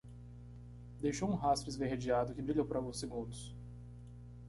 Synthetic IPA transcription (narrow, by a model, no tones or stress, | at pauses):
d̪ejʃowũɦast̪ɾɪzveɦed͡ʒiad̪ʊkɪbɾiʎowpʊɾawɡũseɡũnd̪ʊs